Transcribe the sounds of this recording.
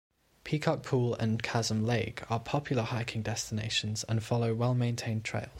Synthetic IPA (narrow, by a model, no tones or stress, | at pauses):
pʰiˑkʰɒk̚pʰuːlə̰̃nkʰazə̃mleɪkʰəpʰɒpʰjl̩ˠəhaɪkʰɪ̃ŋdɛstɪneɪʃə̃nzə̰̃nfɒləʊwɛlˠmẽɪ̃ntʰẽɪ̃ntʰɹ̥ḛɪlˠz̥